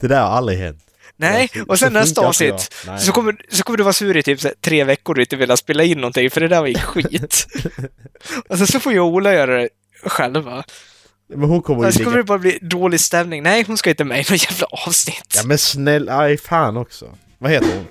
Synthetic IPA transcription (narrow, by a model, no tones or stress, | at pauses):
d̪̥ɛd̪æɾha̰ɾald̪ɾɪɦɛ̰nt̪ | nɛɔsɛnːɛstt̪aɑʂnɪt̪ːsɔkʰɔmːəsɔkʰɔməd̪ɵvɑːsʉːɾɪt̪ʰyːpsæ̰ːt̪ʰɾeːvɛkːʊɖɵɪnt̪əvɪːlːaspeːlaɪnːɔnt̪ɪŋfœɖɛd̪æːɾvjɪkːɧiːt̪ | ɔsɛnsɔfoːjɑɡuːlajœːɾad̪ɛ | ɧɛlvːa | mɛnhʊkʰɔmːəɾsɔkʰɔmːəd̪ɛbɑːɾabliːd̪oːlɪst̪ɛmnɪŋnɛɪɦʊnskɑaɪt̪ːəmɛjnɔt̪jæːvlaʔɑːvsnɪt̪ːmɛnsnɛlafɑːnɔksɔ̰ | vaheːt̪əɾʊ̰n